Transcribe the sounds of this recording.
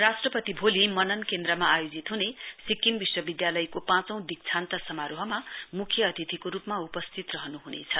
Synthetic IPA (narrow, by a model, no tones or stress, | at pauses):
rasʈrʌpʌt̪ibʱolimʌnʌnkend̪rʌmaːjod͡zit̪ɦunesikːimbiswʌbid̪jalʌjkopãt͡sʌ̃w̃d̪ik̚t͡sʰant̪ʌsʌmaɾoɦʌmamukʰjʌʌd̪ʱit̪ʰikoɾupmaupʌst̪ʰit̪rʌɦʌnuɦunḛt͡sʰʌ